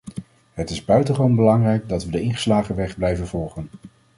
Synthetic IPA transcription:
ɦətɪzbœɥtəχəʋownbəlɑŋrɛjɡdɑtʋədəɪnχə̥slaːχəʋɛχblɛjvənvɔlˠχən

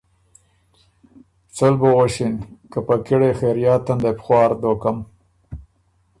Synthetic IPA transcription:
t͡sʊlbowoʃinkəpakɪɽexeɾjɑːt̪and̪epxwɑːɾd̪okam

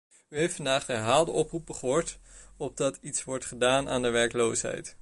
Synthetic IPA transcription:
yɦejftfɑndaːχdəɦaːlˠdəʔɔprup̚bəχoːɹtɔb̚dɑtʰitsʋɔɹtχədaːnʔa̰ːndəʋɛɹklowsɦɛ̰jt

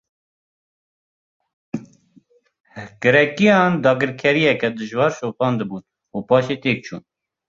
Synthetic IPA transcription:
ɡɨɾɛkijɑːnd̪ɑːɡɨɾkʰɛɾijɛkɛd̪ɨʒwɑːɾʃoːpɑːnd̪ɨbuːn | upɑːʃeːt̪eːk̚t͡ʃʰṵːn

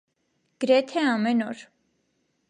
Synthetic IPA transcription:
ɡ̥əɾɛt̪ʰɛɑmɛnɔɾ

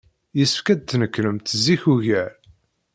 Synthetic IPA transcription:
jəsə̥fkæd̪̚t̪ːnəkːɾəmt̪zːiçuʝæɾ

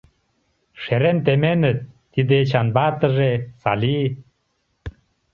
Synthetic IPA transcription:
ʃeɾent̪emenɘ̆t̪ːid̪et͡ɕɑnbɑt̪ə̆ʒesɑ̰li

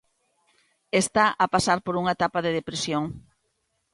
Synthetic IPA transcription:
est̪aʔapasaɾpoɾuŋaet̪apaðeð̞epɾisjoŋ

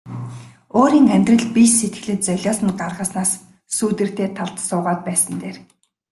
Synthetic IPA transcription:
oːɾiːŋæmʲt̪rə̆ɮpiʃset̪ɡɘ̆ɮɘ̆t̪̚t͡sœɮʲɔːsə̆nɢarʁəːsnaːsː | uːt̪ɘ̆r̥t̪eːt̪ʰaɮt̪sʊːʁaːt̪̚pæːsə̆nt̪eːr

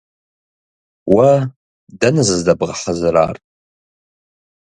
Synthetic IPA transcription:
wa | danɨzɨzdabʁaħəzɨɾa̰ːrtʼ

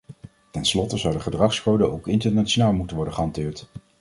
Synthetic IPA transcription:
tɛnslɔtəzʌwdəχədrɑχskowdəʔowkɪntəɹnat͡ʃonaːlˠmutənʋɔɹdəχəɦɑntɪːɹt

